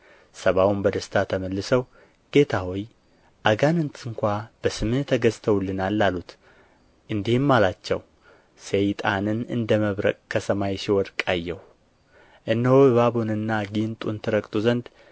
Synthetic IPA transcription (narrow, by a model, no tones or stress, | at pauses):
səβawunbəd̪əst̪ʰat̪ʰəməlːɨsəw | ɡ̥e̞t̪ʰahoj | ʔaɡanɨnt̪ʰʼɨŋkʷab̥əsɨmɨnt̪ʰəɡəzt̪ʰəwʊlːɨnalːalut̪ | ʔɨnd̪ihmːalat͡ʃːɛ̰w | sejt̪ʼanɨnɨ̰nd̪əməβɾə̰kʼkʰəsəmajsiwɔd̪kʼajːɛw | ʔɨnːəwoββabonɨnːaɡint̪ʼunt̪ʰɨɾəkʼt̪ʼuzənd̪